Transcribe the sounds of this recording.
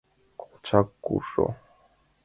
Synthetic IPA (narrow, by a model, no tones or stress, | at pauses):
kʰo̥t͡ʃʰakːuʂo̰